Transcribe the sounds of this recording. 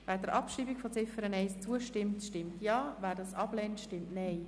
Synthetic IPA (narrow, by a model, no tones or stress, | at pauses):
væːɾdəɾʔɑpʃriːbikfɔt͡sɪfəɾənɛɪst͡suəʃtɪmtʃtɪmtjɑːvæːɾdɑsɑb̥lɛntʃtɪmtnɛɪ